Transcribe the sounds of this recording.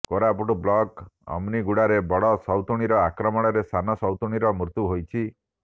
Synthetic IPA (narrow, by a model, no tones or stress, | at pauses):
koɾapuʈublɔkɔ̰mniɡuɽaɾebɔɽɔsɔwt̪uɽ̃iɾɔakɾɔmɔɽ̃ɔɾesanɔsɔwt̪uɽ̃iɾɔmɾut̪juɦojt͡ʃʰi